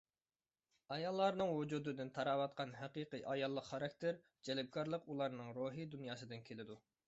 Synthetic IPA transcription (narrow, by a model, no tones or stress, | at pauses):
ɑjɑlˠːɑɾnɨŋwud͡ʒud̪ɨd̪ɪnt̪ʰɑɾɑːwɑt̪̚qɑnɦæqiqɨʔɑjɑlˠːəqχɑɾɑk̚ʲt̪ʰeɾ | d͡ʒɛlɪb̚kʰɑɾlˠəqulˠɑɾnɨŋɾoɦid̪unjɑːsɨd̪ɨnkʲʰelɪd̪u